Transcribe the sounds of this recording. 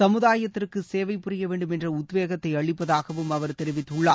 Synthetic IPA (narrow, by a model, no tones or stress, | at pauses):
sɐmɯðaːjɐt̪ːɪrkɯseːʋɐɪpːʊrɪjɐʋeːɳɖɯmɛndrɐʊt̪ʋeːɣɐt̪ːɐɪɐɭɪpːɐðaːɣɐʋɯmɐʋɐɾt̪ɛɾɪʋɪt̪ːʊɭːaː